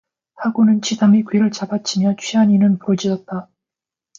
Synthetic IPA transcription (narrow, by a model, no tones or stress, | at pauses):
haɡonɯnt͡ɕʰidamikɥiɾɯɭt͡ɕabat͡ɕʰimjʌt͡ɕʰɥiaɲinɯnpuɾʌd͡ʑid͡ʑʌt̚t͈a